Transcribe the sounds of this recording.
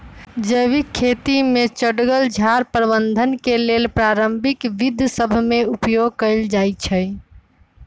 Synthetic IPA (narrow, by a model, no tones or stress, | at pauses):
d͡ʒəʋikʰːet̪imet͡ʃəɽɡəld͡ʒʱaɾpɾəbənd̪ʱənkelelpɾaɾəmbʱikʋid̪ʱsəbʱmeupjoɡ̚kəɪld͡ʒajt͡ʃʰəj